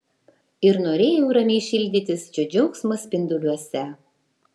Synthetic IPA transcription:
ɪɾnoːɾʲeːjɛʊɾɐmʲɛɪʃʲɪlʲd̪ʲɪt̪ʲɪst͡ʃʲɛd͡ʒʲɛʊksmɐsʲpʲɪnd̪ʊlʲuɔsʲɛ

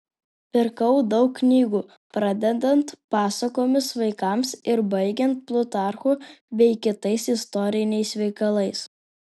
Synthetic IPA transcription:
pʲɪɾkɐʊd̪ɒʊkːnʲiːɡuː | pɾɐd̪ʲɛd̪ɐnt̪pɑːsɐkoːmʲɪsʋɐɪkɐmsɪɾbɐɪɡʲɛnt̪̚plˠʊt̪ɑˑɾxuːbʲɛɪkʲɪt̪ɐɪsɪst̪ɔɾʲɪnʲɛɪsʋʲɛɪkɐlˠɐɪs

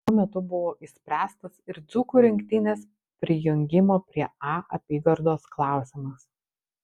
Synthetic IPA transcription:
t̪uɔmʲɛt̪ʊbʊʋoːʔɪsʲpʲɾʲæːst̪ɐsɪɾd̪zuːkuːɾʲɪŋʲkʲt̪ʲɪnʲeːs | pʲɾʲɪjʊŋʲɡʲɪmoːpʲɾʲiɛɑːɐ̰pʲiːɡɐɾd̪oːsklˠɑˑʊsʲɪmɐs

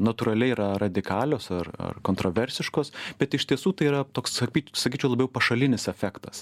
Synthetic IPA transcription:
nɐt̪uːɾɐlʲɛɪiɾɐrɐd̪ʲɪkɑːlʲoːsɐrɐ̰rkoːnt̪ɾoːʋʲɛɾʲsʲɪʃkoːsbʲɛt̪ɪʃt̪ʲiɛsuːt̪ɐɪiːɾɐt̪oːksɐkʲiːsɐkʲiːt͡ʃʲɛʊlˠɐbjɛʊpɐʃɐlʲɪnʲɪsɛfʲækt̪ɐs

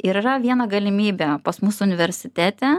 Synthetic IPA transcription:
ɪɾɪɾɐʋʲiɛnɐɡɐlʲɪmʲiːbʲɛpɐsmʊsʊnʲɪʋʲɛɾʲsʲɪt̪ʲæːt̪ʲɛ

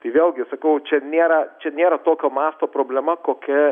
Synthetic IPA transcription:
t̪ɐɪʋʲeːlˠɡʲɪsɐkɐʊt͡ʃʲɛnʲeːɾɐt͡ʃʲɛnʲeːɾɐt̪oːkʲoːmɑːst̪oːpɾoːbʲlʲɛmɐkoːkʲɛ

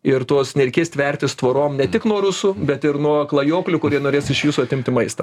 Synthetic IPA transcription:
ɪɾt̪oːsnʲɛɾʲɛɪkʲeːsʲt̪ʲʋʲɛrʲt̪ʲɪst̪ʋoːɾoːmnʲɛt̪ʲɪknuɔɾʊsʊːbʲɛt̪ɪɾnuɔklˠɐjoːklʲʊkʊɾʲiɛnoːɾʲeːsɪʃjuːsʊɐt̪ʲɪmʲt̪ʲɪmɐɪst̪ɐ

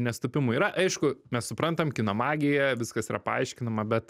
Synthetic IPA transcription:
nʲɛst̪ʊpʲɪmʊiːɾɐʔɐɪʃkʊmʲɛssʊpɾɐnt̪ɐmkʲɪnɐmɑːɡʲɪjɛʋʲɪskɐsiːɾɐ̰pɐ̰ɐɪʃʲkʲɪnɐmɐbʲɛt̪

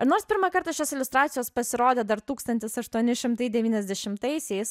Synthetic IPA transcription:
noːɾspʲɪɾmɐkɐɾt̪ɑʃʲoːsɪlʲʊst̪ɾɑːt̪ʲɪjoːspɐsʲɪɾoːd̪ʲeːd̪ɐɾt̪uːkst̪ɐnʲt̪ʲɪsɐʃt̪uɔnʲɪʃʲɪmt̪ɐɪd̪ʲɛʋʲiːnʲɛzʲd̪ʲɛʃʲɪmt̪ɐɪsʲɛɪs

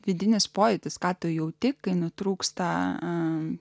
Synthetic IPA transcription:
ʋʲɪd̪ʲɪnʲɪspoːjʲɪt̪ʲɪskɑːt̪ojɛʊt̪ʲɪkkːɐɪnʊt̪ɾuːkst̪ɐ

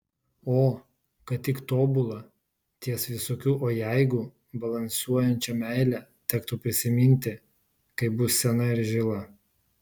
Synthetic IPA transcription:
oː | kɐt̪̚ʲt̪ʲɪkt̪oːbʊlˠɐ | t̪ʲiɛsʋʲɪsoːkʲuːʔoːjæɪɡʊ | bɐlˠɐnʲsuɔjɛnʲt͡ʃʲɛmʲæɪlʲɛt̪ʲɛkt̪uːpʲɾʲɪsʲɪmʲɪnʲˑt̪ʲɪ | kɐɪbʊssʲɛnɐɪɾʒʲɪlˠɐ

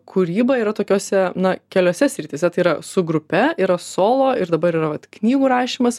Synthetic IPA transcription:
kʰuɾʲiːbɐiːɾɐt̪oːkʲoːsʲɛnɐkʲɛlʲoːsʲɛsʲɾʲɪt̪ʲiːsʲɛt̪ɐɪiːɾɐsʊɡɾʊpʲɛiːɾɐsoːlˠoːɪɾd̪ɐbɐɾiːɾɐʋɐt̪knʲiːɡuːɾɑːʃʲiːmɐs

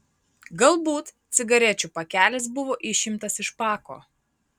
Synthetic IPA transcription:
ɡɐlˠbuːt̪t̪sʲɪɡɐɾʲɛt͡ʃʲupɐkʲæːlʲɪs̬bʊʋoːʔɪʃʲɪmt̪ɐsɪʃpɑːko̰ː

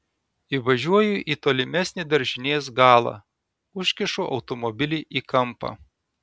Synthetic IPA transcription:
iːʋɐʒʲuɔjuʔiːt̪oːlʲɪmʲɛsʲnʲiːd̪ɐɾʲʒʲɪnʲeːs̬ɡɑːlˠɑ̰ː | ʊʃʲkʲɪʃuʔɒ̰ʊt̪ɔmɔbʲɪlʲiːʔiːkɐmpɑ̰ː

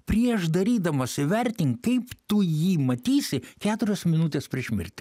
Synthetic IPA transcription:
pʲɾʲiɛʃd̪ɐɾʲiːd̪ɐmoːsʲɪʋʲɛɾʲt̪ʲɪŋkkɐɪpt̪ʊjiːmɐt̪ʲiːsʲɪkʲæːt̪ʊɾʲosmʲɪnut̪ʲeːspʲɾʲiɛʃʲmʲɪ̰ɾʲt̪ʲɪ̥

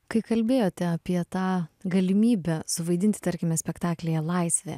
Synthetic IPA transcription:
kɐɪkɐlʲbʲeːjoːt̪ʲɛɐpʲiɛt̪ɑːɡɐlʲɪmʲiːbʲɛsʊʋɐɪd̪ʲɪnʲt̪ʲɪ̥t̪ɐɾʲkʲɪmʲɛsʲpʲɛkt̪ɑːklʲejɛlˠɐɪsʲʋʲḛ

